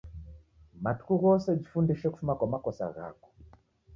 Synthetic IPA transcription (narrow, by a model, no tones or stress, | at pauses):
matu̥kuɣɔsɛb͡ʐifundiʃɛku̥fumakwamakɔsa̰ɣa̰kɔ̥